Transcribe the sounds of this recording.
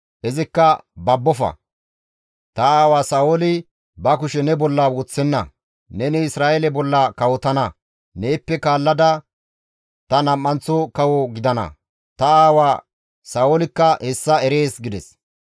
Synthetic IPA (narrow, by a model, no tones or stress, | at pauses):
ʔɛzɪkːɐbɐbːɔfɐ̰ | t̪ɐaːwaːsaːolɪ | bɐkʊʃɛnɛbɔlːɐwɔt͡sːɛnːɐ̰ | nɛnɛɪsɾaːʔɛlɛbɔlːɐkɐwɔt̪ɐnɐ | ne̞ːpːɛkaːlːɐd̪ɐ | t̪ɐnɐmːɐnt͡sːɔkɐwɔɡɪd̪ɐnɐ̰ | t̪ɐaːwaː | saːwolɪkːɐhɛsːɐɛɾeːsɡɪd̪ɛs